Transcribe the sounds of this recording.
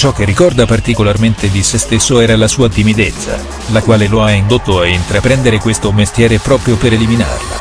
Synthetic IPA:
t͡ʃɔk̟ːerːikɔrd̪apart̪ikolarment̪ed̪isest̪esːoɛːɾalasuːat̪imid̪et̪sːa̰ | lakwaːleloaind̪ot̪ːoaint̪ɾapɾɛnd̪eɾekwest̪omest̪jɛːɾepɾɔːpɾjopeɾelimina̰rla̰

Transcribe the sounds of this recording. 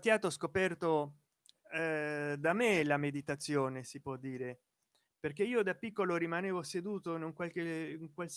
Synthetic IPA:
t̪jaːt̪oskopɛrt̪o | d̪amelamed̪it̪at̪sːjoːnesipwɔd̪ːiːɾe | perk̟eiːod̪apːikːoloɾimaneːvosed̪uːt̪onoŋkwalkeŋkwals

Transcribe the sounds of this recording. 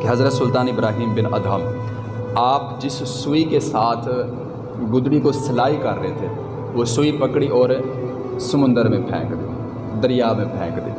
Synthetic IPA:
keɦɐzɾət̪sʊlt̪aːnɪbɾaːɦiːmbɪnɐ̰d̪ʱaːm | aːpd͡ʒɪs | sʊikesaːt̪ʰ | ɡʊd̪ɽikosɐlaːikɐɾːəɦet̪ʰe | ʋosʊipəkɽiʔɔːɾ | səmʊ̃nd̪əɾmẽpʰɛ̰̃ːkd̪ḛː | d̪əɾɪjaːmẽpʰɛ̃ːkd̪ḛː

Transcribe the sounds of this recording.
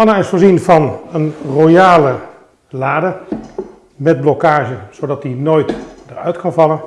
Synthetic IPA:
ɑnaɪsfoːɹzinvɑnənrojaːlə | laːdə | mɛd̚blɔkaːʒənz̥odɑtdinoːjtdərœ̰ɥtkɑnvɑlˠən

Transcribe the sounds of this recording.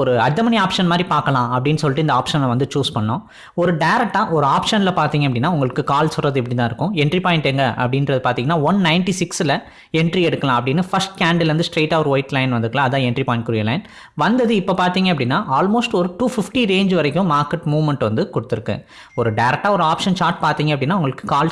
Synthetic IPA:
ɔɾɯɐd̪ɐmɐniaːpʂɐnmaːd̪ɾipaːɾkɐlãːɐpɐɽɪnːɯsɔlʈːɯɪnd̪ɐaːpʂɐnlɐʋɐnd̪ɯt͡ʃuːspɐɳːɐːʊ̃ | ɔɾɯɖɐɪɾɛk̚ʈːãːʔɔɾɯaːpʂɐnɪlɐpaːɾt̪iːŋɡɐpɐɽɪnːaːʊŋɡɐɭɯkːɯkaːlsɔrɐðɯɪp̬ːɐɽɪt̪̬ãːɪɾɯkːʊ̃ɛɳʈɾipaːjɪɳʈɛːŋɡɐʔɐ̰pːɐɽɪnrɾɐðɯpaːɾt̪iːŋɐnːaːʋɐnnɐɪnʈisɪksɪlɐ | ɛɳʈɾiɛɽɯkːɐlãːɐpːɐɽɪnːɯfɐsʈkaːɳɖɐlʋɐnd̪ɯsʈɾeːʈːɐːʋɐɾʋɐɪʈlɐɪnʋɐnd̪ɯɾkːɐlãːɐðãːɛɳʈɾipaːjɪ̃ɳʈ̚kʊɾɪjɐlɐɪn | ʋɐnd̪ɐðɯɪpːopaːɾt̪iːŋɡɐɐpːɐɽɪnːaːʔaːlmoːsʈɔɾɯʈuːfɪfʈiɾeːɲd͡ʒʋɐɾɐkʲːʊ̃maːɾkɛʈmuːʋmɛɳʈʋɐnd̪ɯkɔɽɯt̪ːɪɾɯkːɯ̰ | ɔɾɯɖɐɪɾɛk̚ʈːaːɔɾɯaːpʂɐnt͡ʃaːɾʈ̚paːɾt̪iːŋɡɐpːɐɽɪnːaːʋʊŋɡɐɭɯkːɯ̥kaːl

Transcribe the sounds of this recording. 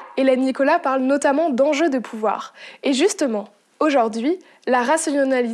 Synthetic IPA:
elɛnːikɔlapaʁlnɔt̪amɑ̃d̪ɑ̃ʒød̪əpʰuvwa̰ːʁeʒyst̪əmɑ̃ | oʒuʁd̪ɥi | laʁasɔnali

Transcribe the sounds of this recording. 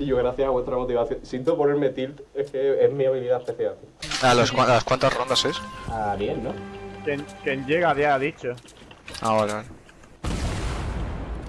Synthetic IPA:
iʝoɣɾaθjasaβwe̞st̪ɾamo̞t̪iβaθjoŋsent̪opoɾeɾmet̪ilt̪ehkeeɦmĩaβiliðapɾeθjalt̪ealoskwaalaskwant̪asrond̪asesaβjenːõkjeŋkjend͡ʒeɣaðjaðit͡ʃo | aβaleβale

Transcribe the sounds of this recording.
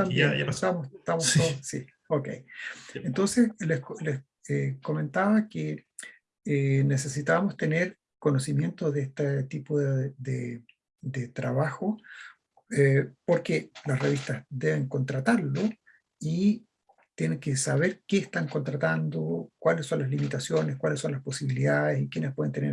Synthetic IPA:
t̪amenaamost̪amost̪oðossi | okḛjent̪o̞nseslesles | eko̞me̞nt̪aβake | enese̞sit̪amost̪eneɾ | konosimje̞nt̪oðeest̪at̪ipoðed̪e | d̪et̪ɾaβaxo | epoɾkelasreβist̪azd̪eβeŋko̞nt̪ɾat̪aɾlo | i | t̪jeneŋkesaβeɾkeːst̪aŋkont̪ɾat̪and̪okwalesːo̞nlazlimit̪asjo̞neskwalesːo̞nlaspo̞siβiliðaðesikjenespweent̪eneɾ

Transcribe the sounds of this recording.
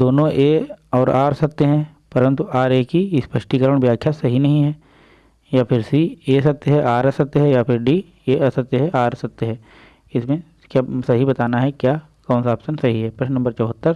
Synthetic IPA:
d̪oːnõʔeːɔːɾaːɾsɐk̚t̪eɦɛ̃ | pɐɾə̃nt̪uʔaːɾeːkispɐʃʈikəɾəɽ̃ʋjaːkʰːjasɐɦinɐɦĩɦɛː | japʰɪɾsieːsɐk̚t̪eɦɛ̃ʔaːɾsɐk̚t̪eɦɛ̃japʰɪɾɖi | eːsɐk̚t̪eɦɛ̃ʔaːɾsɐk̚t̪eɦɛ̃ː | ɪsmẽ | kjasɐɦibɐt̪aːnaɦɛkjaː | kaːnsaːpsənsɐɦiɦɛpɾɐʃnnɐ̃mbəɾt͡ʃɔːɦət̪ːəɾ

